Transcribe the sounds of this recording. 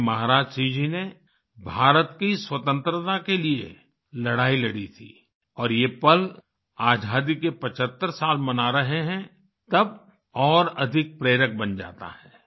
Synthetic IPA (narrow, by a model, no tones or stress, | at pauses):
mɐɦaɾaːd͡ʒsiːd͡ʒine | bʱaːɾət̪kiswət̪ə̃nt̪ɾət̪akeliḛ | lɐɽaːilɐɽit̪ʰḭː | ɔːɾjepəl | aːd͡ʒʱaːd̪ikepɐt͡ʃət̪ːəɾsaːlmɐnaɾɐɦeɦɛ̃ | t̪ɐb | ɔːɾɐd̪ʱɪk̚pɾeːɾək̚bɐnd͡ʒa̰ːt̪a̰hɛː